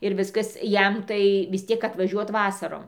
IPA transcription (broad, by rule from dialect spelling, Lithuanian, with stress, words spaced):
ɪr ˈʋʲɪskɐs ˈjɛm tɐɪ ʋʲɪs ˈtʲiɛk ɐtʋɐˈʒʲuɔt ˈʋɑːsɐroːm